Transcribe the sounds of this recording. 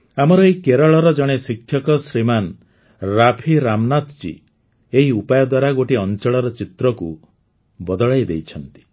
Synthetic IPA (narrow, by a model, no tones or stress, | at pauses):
amɔɾɔejkeɾɔɭɔɾɔd͡ʒɔɽ̃esikʰjɔkɔsɾiman | ɾapʰiɾamnat̪t͡ʃḭ | eɦiupajɔd̪waɾaɡoʈiɔnt͡ʃɔɭɔɾɔt͡ʃit̪ɾɔkṵ | bɔd̪ɔɭajd̪ejt͡ʃʰɔnt̪i̥